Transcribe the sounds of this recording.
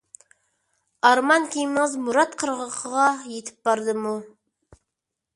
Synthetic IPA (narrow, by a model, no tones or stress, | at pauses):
ɑɾmɑnkʲʰejɪməɴəzmuɾɑt̪qʰəɾʁəqʰəʁɑjet̪ʰɪ̥p̚bɑɾd̪əmu